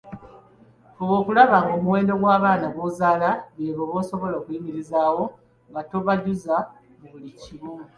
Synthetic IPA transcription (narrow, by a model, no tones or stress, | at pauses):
owo̞ːkulaβaŋɡo̞ːmuwe̞ːndo̞ɡwaːβaːnaɡozaːlaβeːβoːβo̞ːso̞βo̞lo̞ːkujimiɾizaːwo̞ | ŋɡato̞βaɟuza | βuliciβu